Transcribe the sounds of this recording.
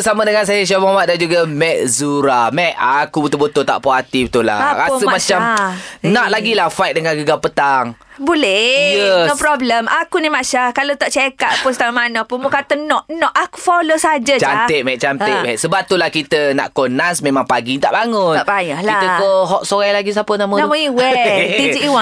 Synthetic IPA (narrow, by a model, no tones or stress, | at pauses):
samədəŋans̬ajaʃ̬amoamat̪̚dand͡ʒuɡamɛʔ̚zuɾamɛʔakubut̪ubot̪ot̪a̰ʔpoat̪ibət̪ula̰aɾasəmmat͡ʃamnaʔ̚laɡilahfajt̪̚dəŋanɡəɡapət̪aŋbolɛjənopɾɔbləmakunimaʃakalot̪aʔt͡ʃekat̪pʊst̪aamanapunmukat̪ənɔʔnɔʔaku̥folosad͡ʒat͡ʃant̪eʔ̚mɛʔ̚t͡ʃant̪eʔmɛʔsəbap̚t̪ulahkit̪əna̰ʔkonasmemaŋpaɡit̪a̰ʔbaŋʊt̪aʔbajaʔlaiəkoɦɔʔ̚soɾajlaɡis̬apənamonamoiwɛt̪id͡ʒiiwa